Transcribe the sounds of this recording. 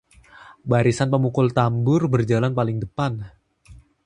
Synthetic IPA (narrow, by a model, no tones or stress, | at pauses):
baɾisanpəmukʊlt̪ambʊrbərd͡ʒalanpalɪŋdəpan